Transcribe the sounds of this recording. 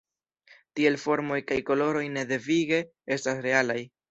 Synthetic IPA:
tie̞lfo̞ɾmo̞jkajko̞lo̞ɾo̞jne̞de̞viɡe̞ | e̞stasɾe̞alaj

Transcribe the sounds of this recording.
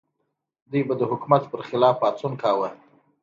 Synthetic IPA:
d̪ujbad̪əhʊkumat̪pəɾxɪlɑfɑt͡sunkɑwə

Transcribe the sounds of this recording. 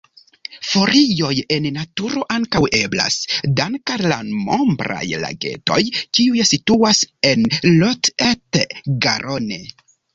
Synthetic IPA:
fo̞ɾijo̞je̞nːatuɾo̞ʔaŋkawe̞bla̰sdaŋkalamo̞mbɾa̰jla̰ɡe̞̰to̞̰jkiujesituase̞nlotetɡaɾʔone

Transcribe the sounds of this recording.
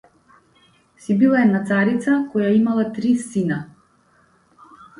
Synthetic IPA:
sibilˠaɛd̪nat̪saɾit̪sakɔjaimalˠat̪ɾisina

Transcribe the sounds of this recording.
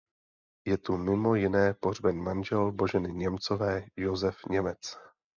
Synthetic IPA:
jɛt̪umɪmo̞jɪnɛːporbɛnmanʒɛlbo̞ʒɛnɪɲɛmt͡sovɛːjozɛfɲɛmɛt͡s

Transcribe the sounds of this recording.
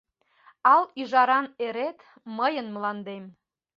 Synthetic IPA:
ɑlyʒɑɾɑneɾet̪ | məjənməlɑnd̪em

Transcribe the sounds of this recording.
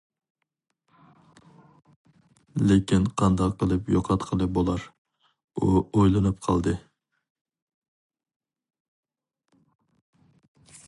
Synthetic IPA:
lekʲʰinqʰɑnd̪ɑqqəlˠɨpjoqʰɑt̪qʰəlˠɨbolˠɑɾ | uojlˠɨnɨpqʰɑlˠd̪ɨ

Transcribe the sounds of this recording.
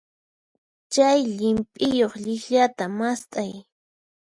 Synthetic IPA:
t͡ʃajʎɪmpʼɪjoχʎɪxʎat̪amast̪ʼaj

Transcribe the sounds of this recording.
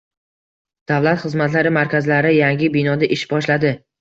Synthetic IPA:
d̪̥avlat̪χɨzmat̪laɾɪmaɾkʲʰazlaɾɪjaŋɡʲɪbɪnɒd̪aʔɪʃbɒʃlad̪ɪ

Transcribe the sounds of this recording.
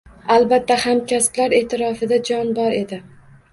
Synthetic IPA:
albat̪ːahamkʲasblaɾe̞t̪ʰɪɾɒfɪd̪ad͡ʒɒnbɒɾe̞d̪ɪ

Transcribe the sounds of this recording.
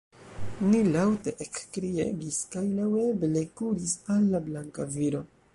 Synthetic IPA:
nilawte̞ʔekkɾiḛɡiskajlawe̞ble̞kuɾisalːablaŋkaviɾo̞

